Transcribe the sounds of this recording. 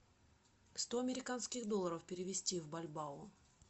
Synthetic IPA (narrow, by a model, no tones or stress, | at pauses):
fst̪oɐmʲɪɾʲɪkanskʲɪxd̪o̞lˠəɾəfpʲɪɾʲɪvʲɪsʲtʲivbɐlʲbaʊ